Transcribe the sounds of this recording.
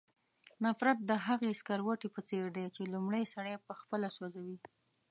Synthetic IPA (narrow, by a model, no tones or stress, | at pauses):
nafɾat̪̚d̪əɦaɣeskaɾwaʈepət͡seɾd̪et͡ʃelumɽəjsaɽepəxpəlasazawi